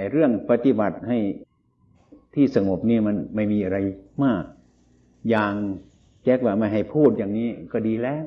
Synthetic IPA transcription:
ɾɯ˥˩əŋpa˧t̪i˧˩ba˨˩t̪̚ha˥˩j | t̪ʰiː˥˩sa˧ŋo˨˩p̚niː˦˥˩ma˧nma˥˩jmiː˧ʔa˧ɾa˧jmaː˥˩k̚ | jaː˧ŋ | t͡ɕɛ˦˥k̚waː˧˩ma˧˥˩jɦa˨˩jpʰuː˥˩t̪̚jaː˨˩ŋniː˦˥˩kɔː˧˩diː˧lɛː˦˥˨w

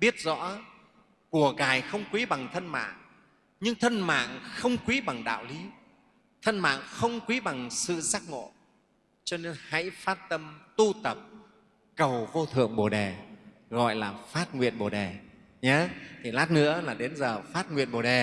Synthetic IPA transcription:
ɓi˦˥ət̚zɔ̰˧˥ | ku˧˩əɣaː˨˩jxə˧wŋ͡mkwi˨˦ɓa˨˩ŋt̪ʰə˧nma̰ː˧˨ŋ | ɲɨ˧ŋt̪ʰə˧nma̰ː˧˨ŋxə˧wŋ͡mkwi˨˦ɓa˨˩ŋɗa̰ː˧˨wli˨˦ | t̪ʰə˧nma̰ː˧˨ŋxə˧wŋ͡mkwi˨˦ɓa˨˩ŋsɨ̰˧˨zaː˦˥k̚ŋo̰˧˨ | t͡ɕɔ˧ne˧nha̰˧˥jfaː˦˥t̚t̪ə˧mt̪u˧t̪ə˨˩p̚ | kə˨˩wvo˧t̪ʰɨ̰˧˨əŋɓo˨˩ɗe˨˩ | ɣɔ̰˧˨jlaː˨˩faː˦˥t̚ŋwḭ˧˨ənɓo˨˩ɗe˨˩ | ɲa˨˦t̪ʰi˨˩laː˦˥t̚nɨ̰˧˥əlaː˨˩ɗe˨˦nzəː˨˩faː˦˥t̚ŋwḭ˧˨ənɓo˨˩ɗe˨˩

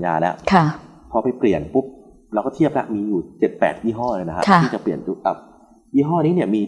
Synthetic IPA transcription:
ja̰ː˧lɛ˦˥ʔkʰa˥˩ | pʰɔː˧pa˧jpli˨˩ənpu˦˥p̚ | ɾwkɔː˥˩t̪ʰi˥˩əp̚la̰˦˥ʔmiː˧juː˨˩t͡ɕe˨˩t̪̚pɛ̰ː˨˩t̪̚jiː˥˩ɦɔː˥˩lɤː˧jna˦kʰa̰˦˥kʰa˥˩iː˥˩t͡ɕa˨˩pli˨˩ənt͡ɕu˦˥˩ka̰˨˩p̚ | jiː˥˩ɦɔː˥˩niː˦˥ni˥˩əmiː˧

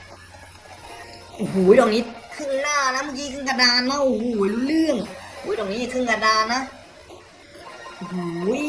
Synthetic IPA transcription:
ʔu˨huː˩˦jdɔː˨˩k̚niː˦˥kʰɯ˥˩ŋlaː˥˩na˦˥mɯ˧˥˩kiː˦˥kʰɯ˥˩ŋka˧daː˧nːa˦˥˩ʔu˧hu˧˩˦ju˦˧lɯ˥˩əŋ˧huː˩˦jdɔː˨˩kniː˦˥jkʰɯ˥˩ŋka˧daː˧nːa˦˥ | ʔu˧˩huː˩˦j

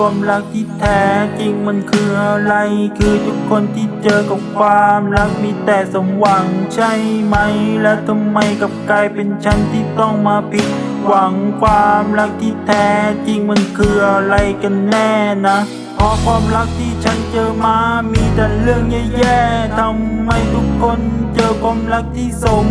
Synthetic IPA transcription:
kʰwaː˧mɾa˦˥k̚t̪ʰiː˥˩t̪ʰɛː˨˦˥t͡ɕi˧ŋma˧˥nkʰɯː˧ʔa˧ɾa˧jkʰɯː˧t̪ʰu˦˥kʰːo˧nt̪ʰiː˥˩t͡ɕɤː˧ka˨˩p̚kʰwaː˧mɾa˦˥k̚miː˧˥t̪ɛː˨˩sa˨˦mwa˨˩˦ŋt͡ɕʰa˥˩jma˦˥jlɛː˦˥wt̪ʰa˧mːa˧jka˨˩p̚kaː˧jpe˧nt͡ɕʰa˦˥nt̪ʰiː˥˩t̪ɔ˥˩ŋmaː˧pʰi˦˥t̪̚ | wa˨˩˦ŋkʰwaː˧mɾa˦˥k̚t̪ʰiː˥˩t̪ʰɛː˦˥t͡ɕi˧ŋmɯ˧˥nkʰɯː˧˩ʔa˧ɾa˧jka˧nːɛː˥˩na˦˥ | pʰɔː˦˥kʰwaː˧mla˦˥k̚t̪ʰiː˥˩t͡ɕʰa˦˥nt͡ɕɤː˧maː˧miː˧t̪ɛː˨˩ɾɯ˥˩əŋɲa˧˩jɛː˥˩t̪ʰa˧mːa˧jt̪ʰu˦˥kʰːo˧nt͡ɕɤː˧kʰwaː˧mla˦˥k̚t̪ʰiː˥˩so˨˩˦ŋ

